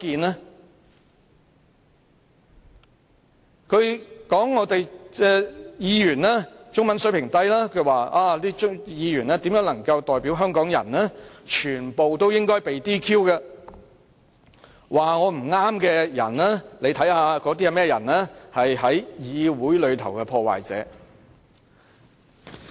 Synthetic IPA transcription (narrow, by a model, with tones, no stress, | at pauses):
kiː˧nɛː˥ | kʰɵ˨˧ɥkɔː˨˥ŋːɔː˨˧t̪e˨jɛː˧jiː˨˧jyː˨˩nlɛː˥t͡ʃʊ˥ŋmɐ˨˥nsɵ˨˥pʰɪ˨˩ŋt̪ɐ˥jlaː˥kʰɵ˧ɥwaː˨aː˧liː˥ʊ˥jiː˨˧jyː˨˩nɛː˥t̪iː˨˥mjœː˨˥ŋlɐ˨˩ŋkɐ˧wt̪ɔː˨jpi˨˥wɦœː˥ŋkɔː˨˥ŋjɐ̰˨˩nlɛː˥t͡ʃʰyː˨˩npo˨wt̪o˥wjɪ˥ŋkɔː˥jpe˨jt̪iː˥kʰiː˥wkɐː˧ | waː˨ŋɔː˨˧m̩˨˩ŋaː˥mkɛː˧jɐ̰˨˩nɛː˥le˨˧jt̪ʰɐ˨˥jhaː˨˧kɔː˨˥t̪̬i˥ɐ˨˧mɛː˥jɐ˨˩nlɛː˥hɐ˨jhɐ˨˥jjiː˨˧wuː˨˥jlɵ˨˧ɥt̪ʰɐ˨˩wkɛː˧pʰɔː˧wa̰ː˨jt͡sɛ̰ː˨˧˥